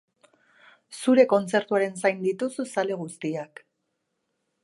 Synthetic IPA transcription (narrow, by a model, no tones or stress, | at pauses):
suɾe̞ko̞nt͡se̞ɾt̪uaɾe̞nsajnd̪it̪ususale̞ɣ̞ust̪iak